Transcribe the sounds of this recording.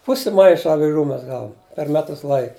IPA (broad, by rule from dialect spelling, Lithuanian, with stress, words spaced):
ˈpʊsʲɪ ˈmɐɪʃɐ ɐʋʲɪˈʒuː ˈmʲɛs ˈɡɑːʋʊm pʲɛr ˈmʲæːtʊs ˈlˠɐɪk